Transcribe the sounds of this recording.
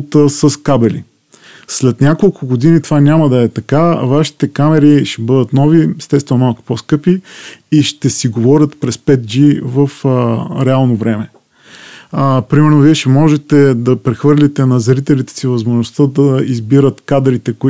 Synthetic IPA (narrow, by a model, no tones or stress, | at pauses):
t̪əsəskabɛlḭ | slɛt̪nʲakolˠkʊɡod̪init̪ovanʲamɐd̪ɐɛt̪ɐkavaʃi̥t̪ɛkamɛɾiʃɛbɤd̪ət̪nɔviɛst̪ɛst̪vɛnomalˠkʊ̥poskɤpiːʃt̪ɛsiɡovɔɾʲət̪pɾɛspɛt̪̚d͡ʒivəfɾɛalˠnovɾɛmɛ | pɾimɛɾnoviɛʃɛmɔʒɛt̪ɛd̪ɐpɾɛxvɤɾlʲit̪ɛnɐzɐɾit̪ɛlit̪ɛ̥sivɐzmoʒnost̪əd̪ɐizbiɾət̪kad̪ɾit̪ɛkoi